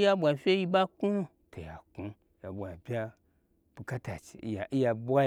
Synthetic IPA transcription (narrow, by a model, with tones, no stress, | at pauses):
ja˧bʷa˨fʲe˦ji˧ba˦ku˦ | tʰo˨ja˨ku˦ | ja˨bʷa˨bʲa˦ | b̥u˧ka˦ta˨t͡ʃi̥̰˨˦a˨i˦ja˧bʷa˦